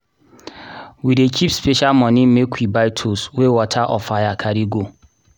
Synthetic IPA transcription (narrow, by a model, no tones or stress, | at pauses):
widekʰipspeʃalmɔ̃nĩmekʰʷwibaɪtʰoswewɔtʰaʔɔfajakʰaɾiɡo